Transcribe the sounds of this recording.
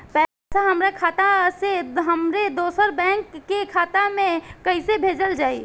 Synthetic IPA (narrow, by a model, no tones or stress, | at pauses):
pɛ | seɦəmɾekʰat̪aseɦəmɾed̪osəɾbɛ̃ŋkːekʰaːt̪amẽkəɪsebʱed͡ʒəld͡ʒaːi